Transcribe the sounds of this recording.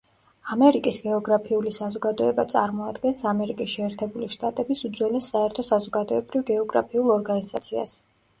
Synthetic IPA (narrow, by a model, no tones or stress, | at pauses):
amɛɾikʼisɡɛɔɡɾapʰiulisazɔɡad̪ɔɛbat̪sʼa̰ɾmɔad̪ɡɛnsamɛɾikʼisʃɛɛːɾt̪ʰɛbuliʃt̪ʼat̪ʼɛbisud̪zwɛlɛsːaɛɾt̪ʰɔsazɔɡad̪ɔɛbɾivɡɛɔɡɾa̰pʰiulˠɔɾɡanizat̪sʰia̰s